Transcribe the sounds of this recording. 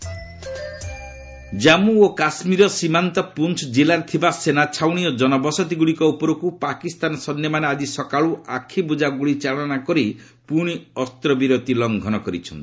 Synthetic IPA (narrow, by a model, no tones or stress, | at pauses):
d͡ʒamuokasmiɾɔsimant̪ɔpunt͡ʃʰd͡ʒilaɾt̪ʰibasenat͡ʃʰawɽ̃ijɔd͡ʒɔnɔbɔsɔt̪iɡuɭikɔupɔɾukupakist̪anɔsɔnjɔmanead͡ʒisɔkaɭuʔakʰibud͡ʒaɡuɭit͡ʃaɭɔnakɔɾi | puɽ̃iɔst̪ɾɔbiɾot̪ilɔŋɡʱɔnɔkɔɾḭt͡ʃʰɔ̰nt̪i